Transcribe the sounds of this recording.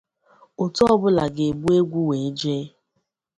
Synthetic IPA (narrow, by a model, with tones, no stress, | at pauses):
o˨tɔ˦ɔ˦bʊ˦la˨ɡe˨ɡ͡bu˦e˦ɡʷu˦we˨˦d͡ʒeː˦